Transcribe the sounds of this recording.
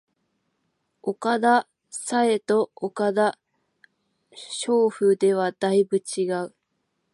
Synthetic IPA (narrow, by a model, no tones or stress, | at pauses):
o̞kad̪a | sae̞t̪o̞okad̪a | ɕo̞ːɸɯ̟d̪e̞β̞ad̪̥aibɯ̟t͡ɕiɡaɯ̟